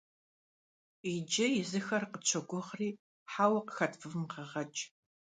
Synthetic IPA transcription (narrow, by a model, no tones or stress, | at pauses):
id͡ʒɐjɪzɨxɐrqət͡ɕʷʰɐɡʷʊʁriː | ħaːwɐqə̥xɐtʰfɨvmqəʁɐt͡ʃʼ